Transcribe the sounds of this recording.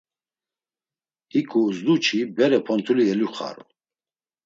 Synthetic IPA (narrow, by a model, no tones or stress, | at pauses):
ikʰʼuzd̪ut͡ʃʰibɛɾɛpʰɔnt̪ʰuliɛluχa̰ɾɔ̰